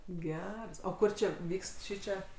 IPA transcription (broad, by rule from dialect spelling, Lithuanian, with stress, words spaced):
ˈɡʲæːrɐs oː ˈkʊr t͡ʃʲɛ ˈʋʲiːkst ˈʃʲiːt͡ʃʲɛ